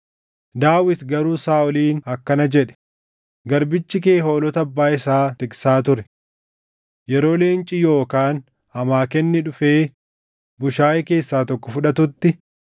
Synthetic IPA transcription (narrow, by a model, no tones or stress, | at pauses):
d̪aːwɪt̪ɡɐɾuːsaːɔliːnɐkːɐnɐd͡ʒɛᶑɛ̥ | ɡɐɾbɪt͡ʃːɪke̞ːɦo̞ːlɔt̪ɐɐbːaːɪsaːt̪ɪksaːt̪ʊɾɛ | jɛɾo̞ːle̞ːnt͡ʃʼɪjo̞ːkaːn | hɐmaːkɛnːɪᶑʊfe̞ː | bʊʃaːjɛke̞ːsːaːt̪ɔkːɔfʊᶑɐt̪ʊt̪ːɪ